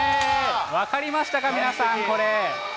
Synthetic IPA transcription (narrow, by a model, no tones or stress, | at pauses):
βakaɾʲimaɕi̥t̪akamʲinasãŋko̞ɾe